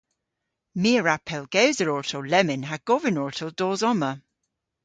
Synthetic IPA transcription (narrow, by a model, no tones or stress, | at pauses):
miəɹapʰɛlˠɡ̥ɛwzəɹɔɹtʰolɛmɪnɦaɡ̥ɔvɪnɔɹtʰod̥ɔːzɔmə